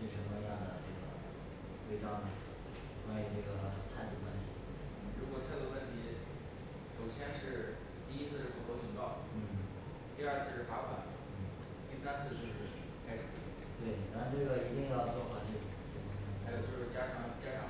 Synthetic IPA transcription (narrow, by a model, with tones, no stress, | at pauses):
ʂɻ̩˥˩ʂə˧˥mə˧˥jɑ˥˩d̪ə˩ʈ͡ʂɤ˥˩ɡə̰˩ | we˥˩ɪʈ͡ʂɑ˥ŋd̪ə˩ | wa˥i˨˧˩ʈ͡ʂɤ˥˩ɡə˩t̪ʰa˥˧ɪt̪u˥˩kwa˥nɕḭ˨˩˥ɻu˧˥kwɔ˨˩t̪ʰa˥d̪ə˧˩wə˥˩nt̪ʰi˧˥ | ʂo˨˩ʊɕʰjɛ˥nʂɻ̩˥˧ | t̪i˥˩i˥t͡sʰɹ̩˥˧ʂɻ̩˥˩pu˨˩kwo˥t͡ɕʰi˨˩ŋkɑ˥˩ʊ | n̩˥˩˥ | t̪i˥˧ɐ˞˥˧t͡sʰɹ̩˥˧ʂɻ̩˥˩fa˥xwa˧˥n˩n̩˥˩ | t̪i˥˩sa˥nt͡sʰɹ̩˥˧t͡ɕjo˥˧ʊʂɻ̩˥˩ | kʰa˥ɪʂɻ̩˨˩˧ | t̪we˥˩ɪt̪a˥nɻnʈ͡ʂɤ˥˩ɡə˩i˧˥t̪i˥˧ŋjɑ˥˧ʊt͡swɔ˥˩xwa˨˥ʈ͡ʂe˥˩˨ʈ͡ʂə˥˩˧i˥˩xa˧˥jo˨˩t͡ɕjo˥˧ʊʂɻ̩˥˩t͡ɕja˥ʂɑ˧˥˩ŋt͡ɕja˥ʂɑ˧˥ŋ